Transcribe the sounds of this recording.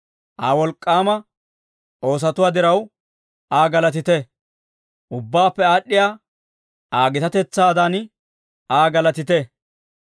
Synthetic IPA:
ʔaːwɔlkʼːaːmɐ | ʔo̞ːs̬ɐt̪ʊwaːd̪ɪɾɐw | ʔaːɡɐlɐt̪ɪt̪ɛ | ʔʊbːaːpːɛaːɗːɪjaː | ʔaːɡɪt̪ɐt̪ɛt͡sːaːd̪an | aːɡɐlɐt̪ɪt̪ɛ

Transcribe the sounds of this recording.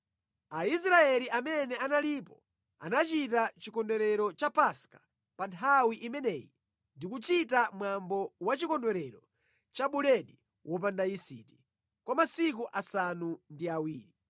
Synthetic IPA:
ais̬ɾaɛliʔamɛnɛanalipɔ | a̰nat͡ʃitat͡ʃikɔndɛɾɛɾɔt͡ʃapaskḁ | pantʰawiʔimɛnɛjḭ | ndikut͡ʃitamwambɔwat͡ʃikɔndwɛɾɛɾɔ | t͡ʃaɓulɛɗi | wʔɔp̬andaisḭti̥ | kwamasik̬uʔasanundiawiːɾi

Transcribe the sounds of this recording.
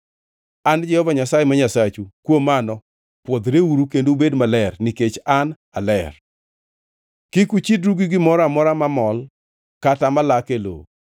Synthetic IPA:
and͡ʒɛhɔvaɲasajemaɲasat͡ʃukwomanɔ | pwod̪ɾeuɾukendobedmalɛrnɪket͡ʃan | alɛr | kɪkut͡ʃidɾuɡiɡɪmɔɾamɔɾamamɔl | katamalakelo̰

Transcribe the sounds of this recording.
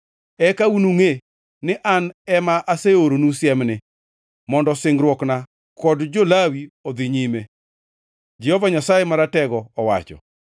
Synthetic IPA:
ɛkaunuŋe | nɪʔanɛmaʔaseoɾonusjɛmnɪ | mɔndɔsɪŋɡɾwɔkna | kɔdd͡ʒolawiod̪ɪɲime | d͡ʒɛhɔvaɲasajemaɾatɛɡɔːwa̰t͡ʃɔ̰

